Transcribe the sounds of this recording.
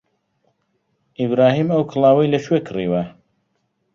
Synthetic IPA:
ʔibɾɑːɦiːmɐwkʰɨlˠɑːwɐjlɐʃwekʰɨriwɐ

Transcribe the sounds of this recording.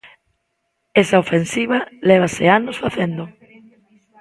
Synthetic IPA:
esaofensiβ̞aleβ̞aseanosfaθend̪o

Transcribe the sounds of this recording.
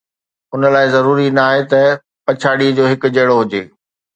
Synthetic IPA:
ʊnəlaːɪzɐɾuːɾinɐaːɦet̪ɐ | pɐt͡ɕʰaːɽid͡ʑoːɦɪkʊd͡ʑeːɽoɦʊd͡ʑeː

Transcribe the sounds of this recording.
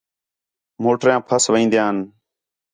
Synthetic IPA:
moːʈɾjãːpʰəsʋĩːnd̪jãːn

